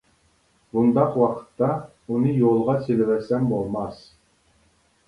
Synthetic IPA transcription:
bund̪ɑqwɑqə̥t̪ːɑ | unɨjolˠʁɑsʲelɘvæsæmbolˠmɑs

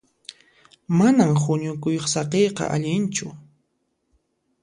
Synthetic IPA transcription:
manamxʊɲʊkʊjoχsɑqejqɑ̰ʔa̰ʎɪnt͡ʃʊ

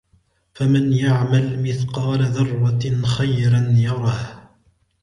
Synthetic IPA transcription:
famɪnjaʕmalmɪθqɑːlaðɑrˤwaxajɾanjɑɾˤɑh

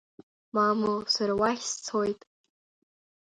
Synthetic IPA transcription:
mamosaɾawaχʲst͡sʰojtʼ

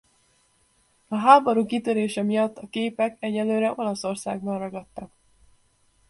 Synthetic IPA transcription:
ɒɦaːboɾuːkit̪øɾeːʃɛmijɒt̪ːɒkeːpɛkɛɟɛlːøːɾɛʔo̞lɒso̞rsa̰ːɡnɒnrɒɡɒt̪ːɒk

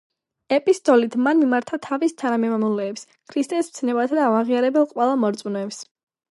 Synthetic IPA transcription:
ɛpʼist̪ʼɔlit̪ʰmanmimaɾt̪ʰat̪ʰavist̪ʰanamɛmamulɛːps | kʰɾist̪ʼɛst̪sʰnɛbat̪ʰd̪aːvaʁiaɾɛbɛlˠqʼwɛlˠamɔɾt̪sʼunɔɛps

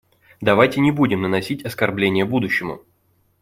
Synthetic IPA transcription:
d̪ɐvajtʲɪnʲɪbudʲɪmnənɐsʲitʲɐskɐrblʲenʲɪjəbud̪ʊɕːɪmʊ̰

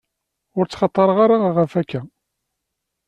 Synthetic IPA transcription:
ʊɾt͡sːχɑt̪ˤːəɾˤəʁaɾaʁəfækːæ

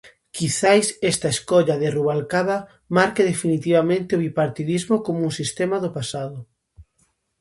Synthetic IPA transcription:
kiθajsɛst̪ɐeskɔʎaðɪruβalkaβa | maɾkeðefinit̪iβamẽnt̪ɪoβipaɾt̪iðizmokomuŋsist̪emaðʊpasaðʊ

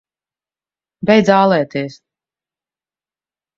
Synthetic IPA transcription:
bɛjd̪zaːlˠɛːt̪iɛs

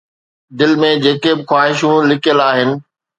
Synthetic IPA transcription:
d̪ɪlmẽd͡ʑeːkebɪxwaːɦɪʃũlɪkʰijəlaːɦɪnɪ̆

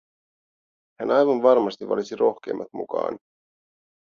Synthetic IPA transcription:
hænɑjʋɑnʋɑrmɑst̪iːɑ̰lisirʔo̞xk̟e̞ːmːɑ̰t̪mṵkɑ̰ːn

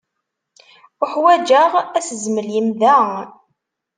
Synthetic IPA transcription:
ʊħwæd͡ʒəʁæsəzməljimðæ

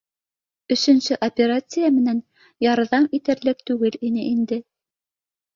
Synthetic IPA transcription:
ɵ̆ʃɵ̆nsɵʔopʲeɾat̪sɨjamɘ̆næn | jɑɾðɑmit̪æ̆ɾlɘk̚t̪ʉɡɘlinɘʔind̪ɘ

